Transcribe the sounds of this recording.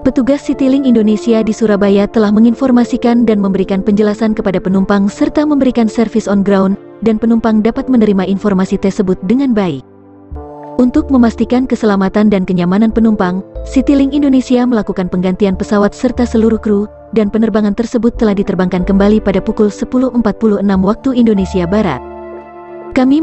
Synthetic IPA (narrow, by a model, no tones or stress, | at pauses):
pət̪uɡasːit̪ilɪŋindonesiadisuɾabajat̪əlahməŋinfɔrmasikandanməmbəɾikanpəɲd͡ʒəlasankəpadapənumpaŋsərt̪aməmbəɾikansərfɪsɔnɡɾawun | danpənumpaŋdapat̪̚mənəɾimainfɔrmasit̪ɛsəbʊt̪̚dəŋanbaɪk̚ | ʔunt̪ʊk̚məmast̪ikankəsəlamat̪andankəɲamananpənumpaŋsit̪ilɪŋindonesiaməlakukanpəŋɡant̪ianpəsawat̪̚sərt̪asəluɾuhkɾu | danpənərbaŋant̪ərsəbʊt̪ːəlahdit̪ərbaŋkankəmbalipadapukulsəpulʊhəmpat̪̚puluhənamwak̚t̪uindonesiabaɾa̰t̪̚ | kami